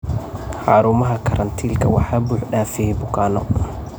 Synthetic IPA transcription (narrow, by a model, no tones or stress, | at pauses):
ħɑːɾʊmɐɦɐkʰɐɾʔɐnt̪ʰiːlkʰɐwɑħaːbuːħɖaːfibʊkʰaːnɔ̰